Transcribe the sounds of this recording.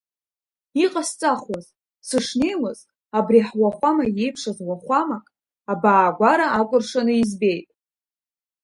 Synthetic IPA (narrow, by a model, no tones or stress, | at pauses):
iqʼast͡sʼaχwaz | sɨʂnejmɨz | abriħwaχʷamaje̞jpʰʂazwaχʷamakʼ | abaːɡʷaɾaʔakʷʼʊrʂanɨizbe̞jtʼ